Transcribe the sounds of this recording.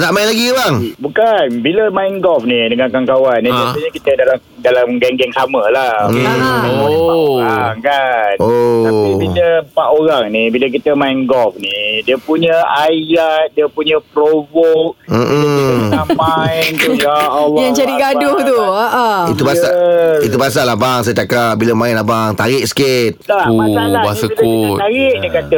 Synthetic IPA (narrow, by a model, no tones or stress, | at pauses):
t̪aʔmajlaɡibaŋbukanbiləmajnɡɔfnidəŋankaŋkawanːiaəɲəkit̪ədalam | dalamɡɛŋɡɛŋsamə̃lahamiaoaŋkanot̪apibiləpaʔoɾaŋnibilək̬it̪əmajnɡɔlfnidiəpuɲəajat̪̚diəpuɲə̃pɾovok̚m̩ʔm̩amajnjaɔljaŋt͡ʃaɾiɡadʊht̪uəʔəit̪ubaait̪̬ubas̬aʔlahbaŋs̬ajt͡ʃakap̚bilamãɪnlabaŋt̪aɾɪʔ̚sə̥kit̪̚lamasalaasəkuəaɾɪʔdikat̪ə